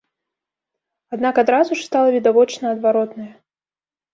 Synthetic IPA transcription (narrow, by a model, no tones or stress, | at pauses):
ad̪nakad̪ɾazuʂst̪alˠɐvʲid̪avɔt͡ʂnɐɐd̪vaɾɔt̪nɐjɐ